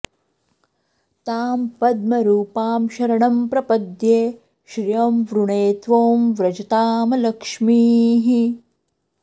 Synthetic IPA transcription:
t̪aːmpɐd̪̚mɐɾuːpaːmʃɐɾɐɳɐmpɾɐpɐd̪jeː | ʃɾijɐmʋɾuɳeːt̪ʋoːmʋɾɐt͡ʃɐt̪aːmɐlɐkʂmiːɦi

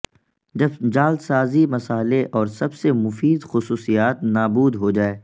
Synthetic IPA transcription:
d͡ʒɐbd͡ʒaːld̪saːzimɐsaːɦleʔɔːɾsɐbsemʊfiːd̪xʊsuːsijaːt̪naːbuːd̪ɦod͡ʒaːeː

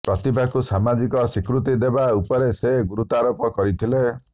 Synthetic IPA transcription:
pɾɔt̪ibʱakusamad͡ʒikɔsikɾut̪id̪ebaupɔɾeseɡuɾut̪aɾopɔkɔɾit̪ʰile

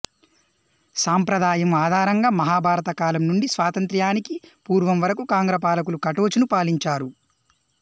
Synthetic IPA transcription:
saːmpɾɐd̪ʱaːjɐmaːd̪ʱaːɾɐŋɡaːmɐɦaːbʱaːɾɐt̪ɐkaːlɐmnuɳɖisʋaːt̪ɐnt̪ɾjaːnikipuːɾʋɐmʋɐɾɐkukaːŋɡɾɐpaːlɐk̬ulukɐʈoːt͡ʃunupaːliɲt͡ʃaːɾu

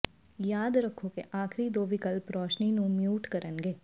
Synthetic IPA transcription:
jaːd̪ɾəkʰːokḛʔaːkʰɾid̪oːʋikəlpɾɔːt͡ʃninũmjuːʈkəɾənɡeː

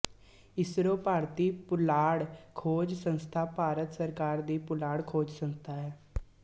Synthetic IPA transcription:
ɪsɾõːpaːɾt̪iːpʊlaːɽkʰoːd͡ʒsə̃nst̪ʰaːpaːɾət̪səɾkaːɾd̪iːpʊlaːɽkʰoːd͡ʒsənt̪aːɦɛː

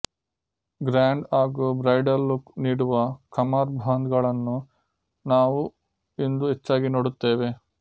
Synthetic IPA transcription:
ɡɾaːɳɖaːɡubɾɐjɖɐllukniːɽuʋɐkʰɐmaːɾbʱaːnd̪ɡɐɭɐnːu | naːʋu | ind̪uɦet͡ʃːaːɡinoːɽut̪ːeːʋe̞

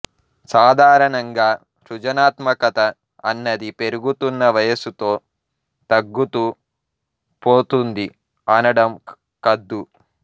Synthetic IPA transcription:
saːd̪ʱaːɾɐɳɐŋɡaː | ʃud͡ʒɐnaːt̪mɐkɐt̪ɐː | nːɐd̪ipe̞ɾuɡut̪unːɐʋɐjɐsut̪o̞ː | t̪ɐɡːut̪u | poːt̪und̪i | ɐnɐɽɐm | kɐd̪ːu

